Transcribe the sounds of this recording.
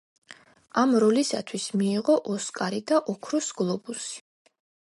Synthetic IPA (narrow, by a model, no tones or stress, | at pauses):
amɾɔlisat̪ʰwismiːʁɔʔɔskʼaɾid̪aʔɔkʰɾusɡlˠɔbusi̥